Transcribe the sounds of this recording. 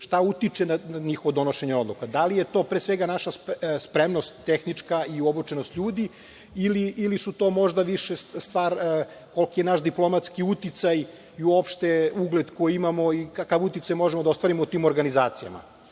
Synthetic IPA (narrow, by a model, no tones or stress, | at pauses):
ʃt̪aut̪it͡ʃenanaɲixoʋod̪o̞no̞ʃe̞ɲeo̞d̪lˠukad̪alijet̪o̞ːpɾesʋeɡanaʃasspɾemnost̪ːexnit͡ʂkaiobut͡ʃenost̪ʎuːd̪i | iliʔilisut̪o̞ːmoʒd̪aʋiʃest̪ʋaːɾ | ko̞lkije̞naʃd̪iplo̞mat̪skiut̪it̪saj | iuopʃt̪euɡled̪ko̞jiimamo̞ikakaʋut̪it̪sajmo̞ʒemod̪ao̞st̪ʋaɾimout̪iːmo̞ɾɡanizaːt̪sija̰ma̰